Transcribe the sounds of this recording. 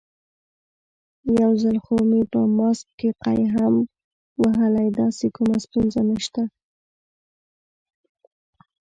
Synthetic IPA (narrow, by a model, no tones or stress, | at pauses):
jawzalxomepəmɑsk̚keqa̰jɦam | waɦəlajd̪ɑsekumast̪unzanəʃt̪a